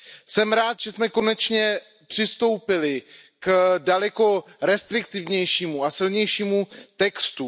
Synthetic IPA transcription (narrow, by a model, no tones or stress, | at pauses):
sɛmɾaːt̪ʒ̥ɛsmɛko̞nɛt͡ʃɲɛ | pr̥ɪst̪o̞wpɪlɪ | kdalɛko̞ɾɛst̪ɾɪk̚t̪ɪvɲɛjʃiːmuasɪlɲɛjʃiːmut̪ɛkst̪u